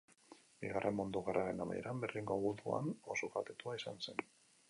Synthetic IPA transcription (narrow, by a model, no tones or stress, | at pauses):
biɣarʔemond̪uɣ̞araɾe̞nama̰jeɾamberðiŋɡoɣuðua̰nosokat̪et̪uaisanse̞n